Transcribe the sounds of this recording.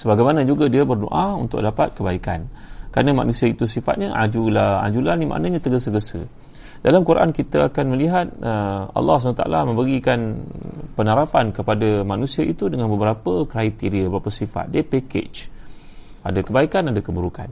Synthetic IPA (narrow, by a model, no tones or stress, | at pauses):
səbaɡajmanãd͡ʒuɡadiabərdo̰ʔaṵnt̪ʊ̰k̚dapat̪̚kəbaika̰nkɾanama̰ʔnũsiait̪usifa̰t̪̚ɲaʔa̰d͡ʒulaha̰d͡ʒulanimʔa̰ʔnãɲat̪əɡəsəɡəsə̰ | dalamkuɾaʔa̰nkit̪aakanməliɦat̪̚əɑ̰lːɑsanat̪aʔa̰lamə̃mbəɡikanpənaɾafankəpadamanũsiaʔit̪udəŋanbəbəɾapəkɾait̪iɾiabəɾapəsifa̰t̪̚diəpekḛt͡ʃ | adakəbaikanadakəbəɾuka̰n